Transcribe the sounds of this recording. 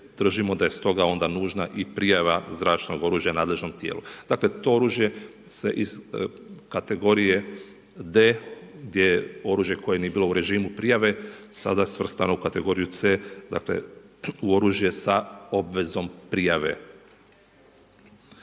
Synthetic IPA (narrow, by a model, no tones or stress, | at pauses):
d̪̥r̩ʒimo̞d̪aje̞st̪o̞ɡao̞nd̪anuːʒnaʔipɾijaʋazɾaːt͡ʃno̞ɡo̞ɾuːʒjanaːd̪le̞ʒno̞mt̪jḛːlud̪̥akle̞t̪o̞o̞ɾuːʒje̞ | se̞̰ʔiz̥ | kat̪e̞ɡo̞ɾije̞ | d̪eɡd̪je̞jeo̞ɾuːʒje̞ko̞jenije̞biːlˠo̞uɾe̞ʒiːmupɾijaʋe̞sa̰d̪asʋr̩st̪ano̞ukat̪e̞ɡo̞ːɾijut̪sed̪a̰ːkle̞̰uo̞ɾuːʒje̞sao̞bʋe̞zo̞mpɾijaʋe̞̰